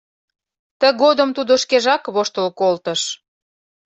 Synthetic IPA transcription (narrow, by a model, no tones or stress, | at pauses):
t̪ə̆ɣod̪ə̆mt̪ud̪oʃkeʒɑkβoʃt̪əlkolt̪ə̆ʃ